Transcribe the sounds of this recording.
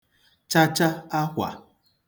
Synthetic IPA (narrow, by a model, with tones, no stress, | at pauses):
t͡ʃa˦t͡ʃa˦a˦kʷa̰˨